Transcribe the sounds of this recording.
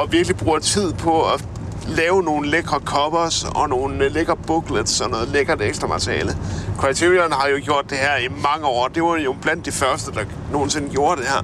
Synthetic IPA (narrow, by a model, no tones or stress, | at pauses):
ɒ̽ʋiɐɡ̥lib̥ʁuːɐt͡sʰið̞̰ˠpʰɒ̽ɒ | lɛːʊno̝ːn̩leɡ̥ʁɐkʰɒ̽b̥sɒ̽no̝ːn̩leɡ̥ɐb̥oɡ̥led̥sɒnɔ̽ːð̩ˠleɡ̥ɐd̥eɡsd̥ʁɐmɑ̈t͡sʰʁiɛ̰ːləkʰʁɑ̈ɪt͡sʰiʁiɐnɦɑ̈jo̝ɡ̥jo̝ɐ̰d̥e̝hæɐ̰imɑ̈ŋəɒ̰ːd̥e̝ʋɑ̈jo̝b̥læn̰d̥ːifɶɐsd̥əd̥ɑ̈ | no̝ːn̩se̝nɡ̥jo̝ːɐd̥e̝hæɐ̰